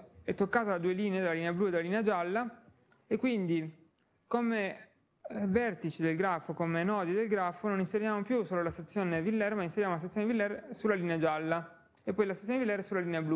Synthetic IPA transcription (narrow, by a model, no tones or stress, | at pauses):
ɛt̪ːokːaːt̪alad̪uːeliːneed̪elːaliːneablued̪elːaliːnead͡ʒalːa | ekːwind̪i | kome | vɛrt̪it͡ʃid̪elɡɾafːokomenɔːd̪id̪elɡɾafːononinseɾjaːmopjusoːlolast̪at̪sːjoːnevilːɛrmainseɾjaːmolast̪t̪joːnevilːɛrsulːaliːnead͡ʒalːa | epːɔjlast̪at̪sjoːnevilːɛrsulːaliːneablu